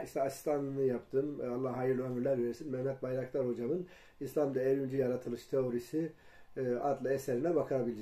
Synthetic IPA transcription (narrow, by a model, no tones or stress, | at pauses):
iʃt̪ʰɛasi̥st̪ʰanˠɯnɯjapt̪ʰɯːmalːaɦaːjɯɾlʲiømyɾlʲæɾveɾisinmɛmːɛt̪̚bajɾaklˠaɾho̞d͡ʒamɯn | islˠamd̪aɛɾynd͡ʒyjaɾat̪ʰɯlˠɯʃt̪ʰeoɾisi | ad̪lˠaɛsɛɾinɛbakʰaabilʲid͡ʒ